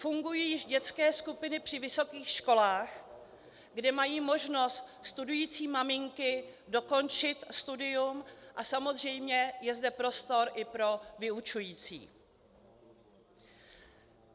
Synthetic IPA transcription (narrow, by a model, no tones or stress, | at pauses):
fuŋɡujiːjɪʒɟɛt͡skɛːskupɪnɪpr̝̥ɪvɪso̞kiːxʃko̞laːx | ɡdɛmajiːmo̞ʒno̞st̪st̪udujiːt͡siːmamɪŋkɪ | do̞ko̞nt͡ʃɪt̪st̪udɪjumʔasamo̞zr̝ɛjmɲɛjɛzdɛpɾo̞st̪o̞ɾʔɪpɾo̞vɪut͡ʃujiːt͡sḭː